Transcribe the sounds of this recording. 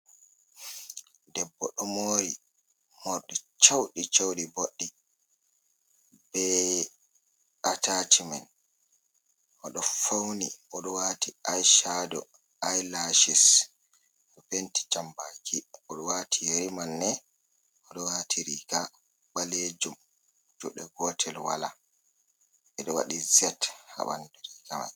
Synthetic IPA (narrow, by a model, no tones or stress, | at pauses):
dɛbːɔɗɔmoːɾi | mɔɾɗit͡ʃawɗit͡ʃawɗiboɗːi | b̥ɛ | atatʰiman | ʔɔɗɔfawniʔɔɗɔwatiajʃadɔ̰ | ajlaʃis | ʔɔpenti̥t͡ʃambakʰiʔɔɗɔwatʰijeɾimanːɛ | ʔɔɗɔwatʰiɾiːɡa | ɓaled͡ʒum | d͡ʒuɗɛɡɔtʰɛlwa̰la | ɛɗɔwa̰ɗizɛtha̰ɓa̰ndɾiːɡama̰j